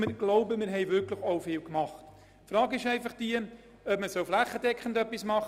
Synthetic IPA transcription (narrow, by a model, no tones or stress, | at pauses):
mɪɡ̥loʊbəmɪɾɦɛɪvʏɾkləχoʊfɪːlkmɑχt | fɾɑːɡɪʃɛɪfɑχd̥iə | œpməsɔʊflæχːədɛkχən̩dœpːismɑχ